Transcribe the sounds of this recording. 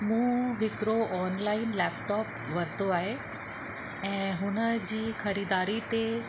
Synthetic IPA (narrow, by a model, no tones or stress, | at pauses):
mũːɦɪkɾoʔɔːnlaːɪnlɛːpʈɔːp̚ | ʋɐt̪oaːɦe | ɛ̃ːɦʊnə̆d͡ʑiːxɐɾiːd̪aːɾit̪e